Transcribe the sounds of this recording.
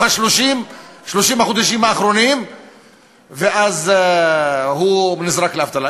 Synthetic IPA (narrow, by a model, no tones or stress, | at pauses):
aʃloʃiːmʃloʃimaxʊd̪aʃimaʔaxɾonim | veʔæːz | ɦunɪzɾˤɑklaft̪ˤɑla